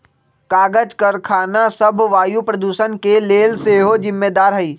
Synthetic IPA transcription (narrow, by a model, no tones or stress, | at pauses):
kaːɡəd͡ʒkɐɾkʰaːnasɐbʱʋaːjupɾɐd̪uːʃənkeleːlseːɦod͡ʒɪmːeːd̪aːɾɦɐiː